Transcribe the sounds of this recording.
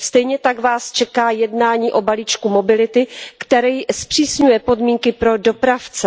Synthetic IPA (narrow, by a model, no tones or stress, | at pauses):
st̪ɛjɲɛt̪aɡvaːst͡ʃɛkaːjɛdnaːɲiːʔo̞baliːt͡ʃkumo̞bɪlɪt̪ɪkt̪ɛɾɛjspr̝̥iːsɲujɛpo̞dmiːŋkɪpɾo̞do̞pɾaft͡sɛ